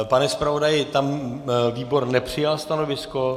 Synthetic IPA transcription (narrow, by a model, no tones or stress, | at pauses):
panɛspɾavo̞dajɪt̪amviːbo̞ɾnɛpr̝̥ɪjalst̪anovɪsko̞